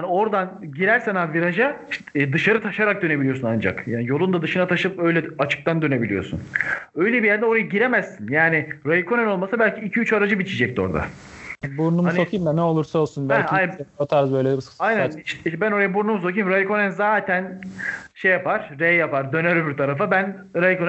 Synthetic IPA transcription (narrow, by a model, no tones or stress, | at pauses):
hanio̞ɾd̪anɟiɾæɾsɛnaviɾaʒad̪ɯʃaɾɯt̪ʰaʃaɾak̚d̪ø̞nebilijo̞sunand͡ʒa̰kjaːnijolˠund̪ad̪ɯʃɯnat̪ʰaʃɯpø̞jlʲɛat͡ʃʰɯ̥k̚t̪ʰand̪ø̞ne̞bilʲijo̞̰sṵnø̞jlʲɛbijæɾd̪ɛo̞ɾajaɟiɾe̞mæzːinjaːnɪɾajikʰo̞nɛno̞lˠmasabælʲcʰiːcʰiyt͡ʃaɾad͡ʒɯbit͡ʃʰid͡ʒɛc̚t̪io̞̰ɾd̪a̰buɾnumhansokʰɯjimd̪anɛo̞lˠuɾsaolˠsunbælʲʰanat̪ʰaɾzbøjlʲɛbissajnnʃʃbæno̞ɾajabuɾnumus̬o̞kʰɯjimɾajiko̞nɛnzaːt̪ʰænʃejapaɾ̥ɾɛjjapaɾd̪ø̞nɛɾybiɾt̪ʰaɾafabæn | ɾajikon